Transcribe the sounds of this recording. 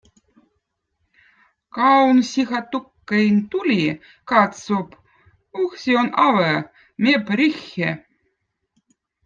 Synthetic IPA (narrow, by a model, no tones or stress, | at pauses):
kɑwnsʲixɑt̪ukːejnt̪ulʲi | kɑt̪sop | uxsʲionɑvɛ | mʲepɾʲixʲːḛ